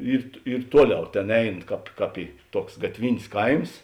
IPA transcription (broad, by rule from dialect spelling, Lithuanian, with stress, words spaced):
ˈiːr ˈiːr ˈtuɔˌlʲɛʊ ˈtʲeːn ˈɛɪn ˈkɑːp ˈkɑːp iː ˈtuɔks ɡɐtʲˈʋʲɪnʲsʲ ˈkɐɪms